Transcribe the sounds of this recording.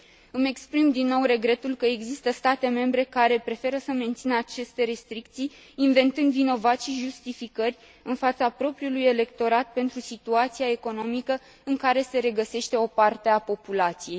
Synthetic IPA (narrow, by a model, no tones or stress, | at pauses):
ɨme̞kspɾimd̪inːo̞wre̞ɡɾe̞t̪ulkəe̞ɡzist̪əst̪at̪e̞me̞mbɾe̞kaɾe̞pɾe̞fe̞ɾəsəme̞nt̪sinəat͡ʃe̞st̪e̞ɾe̞st̪ɾik̚t̪sijː | nve̞nt̪ɨnd̪vino̞vat̪sʃiʒust̪ifikərʲ | ɨnfat̪sapɾo̞pɾiuluje̞le̞kt̪o̞ɾat̪̚pe̞nt̪ɾusit̪uat̪siae̞ko̞no̞mikə | ɨŋkaɾe̞se̞ɾe̞ɡəse̞ʃt̪e̞o̞part̪e̞apo̞pulat̪sije̞j